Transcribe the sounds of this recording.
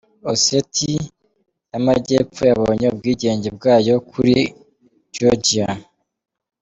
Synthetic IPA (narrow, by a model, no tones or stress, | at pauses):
osetʰi | namaɟe̞ːp͡fojaβoːɲe̞ub̚ɡiːɟe̞ːɲɟe̞b̚ɡaːjo̞kʰuɾi | d͡ʒod͡ʒia